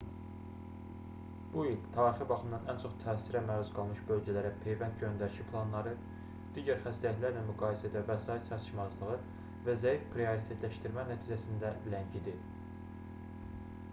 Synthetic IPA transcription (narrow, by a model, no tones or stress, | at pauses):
b̥uilt̪ʰɑːɾixɯbɑχɯmd̪ɑnænt͡ʃʰo̞χt̪ʰæːsiɾæmæːɾuzɡɑlˠmɯʃbø̞lɟælæɾæpʰe̞jvænt̪̚ɟø̞nd̪æɾiʃipʰlˠɑnlˠɑɾɯ | d̪̥iːɟæɾχæst̪æjæt̪læɾlæmyɡɑːjesæd̪ævæsɑːjit̪sɑt̪ʰɯ̥ʃmɑzlˠɯʁɯ | væzæjifpʰɾioɾit̪ʰe̞t̪læʃt̪iɾmænæt̪ʰiːd͡ʒæsind̪æblæɲɟʰid̪i